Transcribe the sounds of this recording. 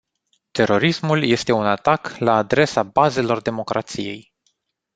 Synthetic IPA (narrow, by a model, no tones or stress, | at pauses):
t̪e̞ɾo̞ɾismulje̞st̪e̞unat̪aklaːd̪ɾe̞sabaze̞lo̞rd̪e̞mo̞kɾʔa̰t̪sije̞̰j